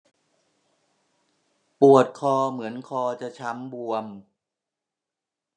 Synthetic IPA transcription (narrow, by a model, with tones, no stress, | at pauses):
pu˨˩ət̪̚kʰɔː˧mɯ˩˦ənkʰɔː˧t͡ɕa˨˩t͡ɕʰa˦˥mbu˧əm